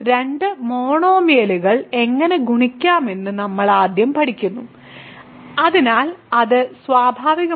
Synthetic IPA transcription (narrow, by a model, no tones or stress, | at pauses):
ɾe̞ɳɖɨmo̞ːɳo̞ːmijɐluɣɐɭe̞ŋːɐneɡʱuɳikʲːaːme̞nːɨnɐmːɐɭaːd̪jɐmpɐɽikʲːunːu | ɐðinaːlɐðɨsʋaːbʱaːʋiɣɐ